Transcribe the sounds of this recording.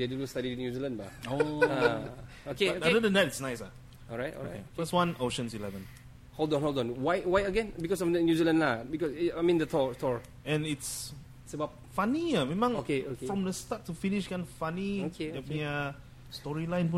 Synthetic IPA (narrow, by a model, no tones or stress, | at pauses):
dedunostaɾĩnjuzilə̃nba̰oa | okeadədəndɛtitsnaɪsa | ɔlɹajtɔ̰o̰kḛfəstwãnoʃə̃nsilɛvə̃n | hodɔ̃nhodɔ̃nwajwajəɡɛ̃nbikɔsɔfdənjuzilə̃nlabikɔsamĩndətʰɔtʰɔɹ | ɛ̃nits | səbaʊp̚ | faniamɛ̃mãŋokeokefɹɔ̃mdəstatːufiniʃɡãnfanioeɛtmia | stɔɹilãj̃npu